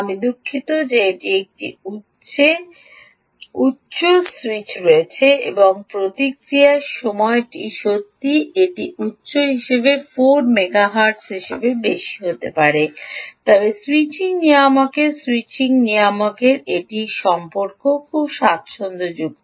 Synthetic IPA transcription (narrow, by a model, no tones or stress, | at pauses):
amid̪ukʰːit̪od͡ʑeeʈiek̚ʈḭu | e | utːɕoswit͡ɕɾoet͡ɕʰeeboŋpɾot̪ikɾiaʃɔmɔeʈiʃot̪ːieʈiʔutːɕoɦiʃebefoɾmeɡaɦaɾʈsɦiʃebebeʃi̥ɦot̪epaɾet̪ɔbeswit͡ɕiŋniamokeɾswit͡ɕiŋniamokeɾeʈiʃɔmpoɾkokʰubʃat̪ʃond̪od͡ʑuɡ